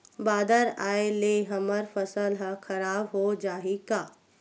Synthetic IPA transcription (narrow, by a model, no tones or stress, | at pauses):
baːd̪əɾaːeleɦɐməɾfəsəlɦaxʰɐɾaːbɦod͡ʒaːɦikaː